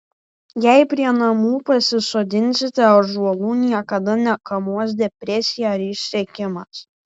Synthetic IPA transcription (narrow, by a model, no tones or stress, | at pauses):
jɛɪpʲɾʲiɛnɐmuːpɐsʲɪsoːd̪ʲɪnʲsʲɪt̪ʲɛɐʒuɔlˠuːnʲiɛkɐd̪ɐnʲɛkɐmuɔs̬d̪ʲɛpʲɾʲɛsʲɪjæɐɾɪʃʲsʲɛkʲɪmɐs